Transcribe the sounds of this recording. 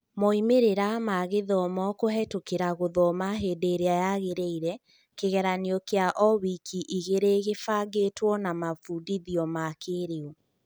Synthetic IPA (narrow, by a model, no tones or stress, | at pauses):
moimeɾeɾamaɣeðɔmɔkoɦɛtokeɾaɣoðɔmaɦedeɾeajaɣeɾeiɾɛ | keɣɛɾaniɔkeaʔɔwikʰiʔiɣeɾeɣefaɡetwɔnamafuːdiðiɔmakeɾeo